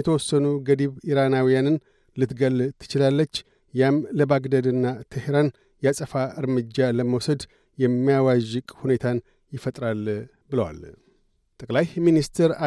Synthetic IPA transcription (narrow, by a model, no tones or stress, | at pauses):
jɛt̪ʰəwɔsːənuɡəd̪iβiɾanawijanɨn | lɨt̪ɡəlt̪ʰɨ̥t͡ʃɪlalːət͡ʃː | jamləbaɡd̪əd̪ɨnːat̪ʰəhɾan | jasʼəfaʔɨɾmɨd͡ʒːaləməwsəd̪ | jɛmːijawaʒːɪkʼhune̞t̪ʰan | jɪfət̪ʼɾal | bɨləwa̰l | t̪ʼəkʼlajminist̪ʰɾa